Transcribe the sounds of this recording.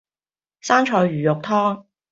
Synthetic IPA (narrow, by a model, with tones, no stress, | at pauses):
saː˥nt͡ʃʰɔː˧jɥyː˨˩jʊ˨k̚t̪ʰɔː˥ŋ